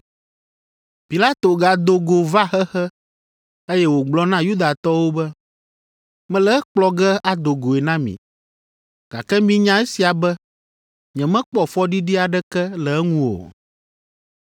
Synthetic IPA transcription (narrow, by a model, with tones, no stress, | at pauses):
pi˨la˦t̪o˨ɡa˨d̪o˨ɡo˨va˦xɛ˦xɛ˦ | e˦jɛ˦wo˨ɡ͡blɔ˦nã˦ju˦d̪a˨t̪ɔ˦wo˦bɛ˦ | mɛ̃˦lɛ˦k͡plɔ˦ɡɛ˦a˦d̪o˨ɡo˨e˨nã˦mḭ̃˨ | ɡ̥a̰˨kɛ˦mĩ˦ɲã˦e˦si˨a˨bɛ˦ | ɲɛ̃˨mɛ̃˦k͡pɔ˦fɔ˦ɖi˦ɖi˦a˨ɖɛ˦kɛ˦lɛ˨ɛ˦ŋũ˦wo̰˨